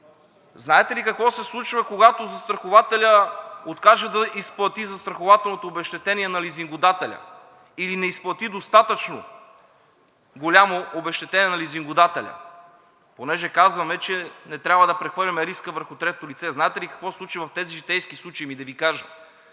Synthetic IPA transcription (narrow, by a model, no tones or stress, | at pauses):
znaɛt̪ɛlikɐkvɔsɛslˠut͡ʃvəkoɡat̪ozɐst̪ɾɐxovat̪ɛlʲəot̪kaʒɛd̪ɐʔisplˠɐt̪izɐst̪ɾɐxovat̪ɛlˠnot̪oːbɛʃt̪ɛt̪ɛniɛnɐliziŋɡʊd̪at̪ɛlʲə̰ | ilinɛisplˠɐt̪id̪ost̪at̪ət͡ʃno̰ | ɡolʲamoʔobɛʃt̪ɛt̪ɛnʲiɛnɐliziŋɡʊd̪at̪ɛlʲɐ̰ | ponɛʒɛkazvɐmɛt͡ʃɛnɛt̪ɾʲabvɐd̪ɐpɾɛxvɤɾlʲɐmɛɾiskəvəɾxʊt̪ɾɛt̪ot̪olit̪sɛznaɛt̪ɛlikɐ̥kvɔsslˠut͡ʃivɐft̪ɛziʒit̪ɛjskislˠut͡ʃɐimid̪ɐvikaʒə̰